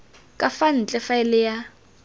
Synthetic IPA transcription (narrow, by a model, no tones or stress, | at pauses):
kʼafan̩t͡ɬʼɛfaɛlɪja